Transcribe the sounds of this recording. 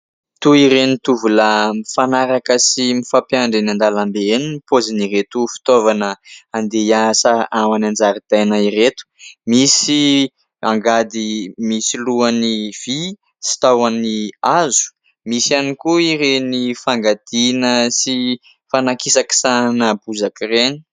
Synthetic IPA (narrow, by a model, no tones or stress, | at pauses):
t̪uiɾenit̪uvuləmifanaɾakəsimifapjaɳɖ͡ʐinand̪alambeniipoziniret̪ufi̥t̪ovanəand̪ejasaawanand͡zaɾit̪ajnaiɾet̪u̥misi | a̰ŋɡad̪imisiluaniv̥i | si̥t̪awaniazu̥ | misanikuiɾenifaŋɡad̪̥inəsi | fanakisaki̥sanəbuzakireɲi̥